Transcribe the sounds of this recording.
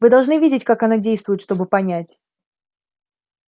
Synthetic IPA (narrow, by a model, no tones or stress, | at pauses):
vɨd̪ɐlˠʐnɨvʲidʲɪtʲkakɐnadʲejst̪vʊjɪt̪ʂt̪o̞bɨpɐnʲætʲ